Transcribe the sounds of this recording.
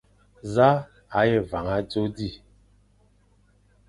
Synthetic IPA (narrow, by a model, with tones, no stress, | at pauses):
za˦ | a˨˦je˦˨va˨ŋa˦d͡zo˦di˦˨